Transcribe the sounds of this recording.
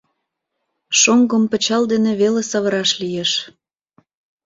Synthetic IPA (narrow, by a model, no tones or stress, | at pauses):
ʃoŋɡəmpə̆t͡ɕɑld̪eneβelesɑβəɾɑʃlijeʃ